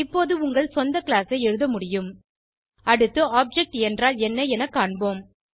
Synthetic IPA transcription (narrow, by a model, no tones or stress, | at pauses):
ɪpːoːðɯʊŋɡɐɭsɔnd̪ɐkɪɭaːsɐɪɛɻɯðɐmʊɽɪjɯm | ɐɽɯt̪ːɯaːp̚d͡ʒɛk̚ʈɛndraːlɛnːɐɛnɐkːaːɳboːm